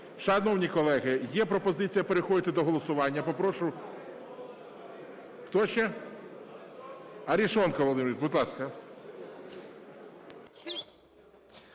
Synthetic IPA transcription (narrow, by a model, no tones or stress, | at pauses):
ʃɛd̪nɔwnʲikɔlˠɛɣɪjɛpɾɔpɔzɪt͡sʲijɐpeɾɪxɔd̪ʲɪt̪ɪd̪ɔɦɔlˠɔsʊʋɑnʲːɐpɔpɾɔʃʊ | xt̪ɔʃt͡ʃɛ | ɐɾʲiʃɔnkɐʋˠlˠɪmɾʲid̪̚bud̪lˠɑskɐ